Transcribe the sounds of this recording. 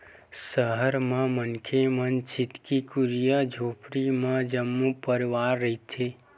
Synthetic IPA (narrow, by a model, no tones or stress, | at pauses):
səɦəɾmãmənkʰemənt͡ʃɪt̪kikuɾijəd͡ʒʱoːpɾimãd͡ʒəmːupəɾiʋaːɾːəɦit̪ʰe